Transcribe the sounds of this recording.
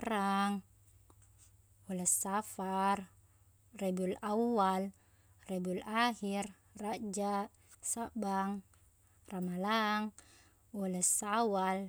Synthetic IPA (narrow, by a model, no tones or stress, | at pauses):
ɾaŋ | wɔlɛsafar | rebulawal | rɛbulahir | rad͡ʒa | sabaŋ | ramalaŋ | wɔlɛsawal